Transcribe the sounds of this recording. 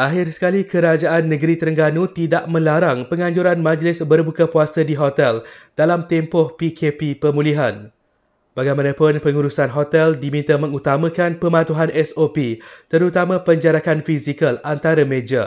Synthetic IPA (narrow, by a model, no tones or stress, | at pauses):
ʔaɦɪrsə̥kalikəɾad͡ʒaʔanːə̃ɡɾit̪əɾəŋɡanũt̪idaʔmə̃laɾaŋpəŋãɲd͡ʒuɾanmãd͡ʒlɪsbərbukapuasədiɦot̪ɛld̥alamt̪ɛmpɔhpikʰepipəmũliɦan | b̥aɡajmãnãpʊnpəŋuɾusanɦot̪ɛldimint̪amə̃ŋut̪amãkanpəmãt̪uɦanʔɛsopit̪əɾut̪amãpəɲd͡ʒaɾakanfizikalant̪aɾamẽd͡ʒa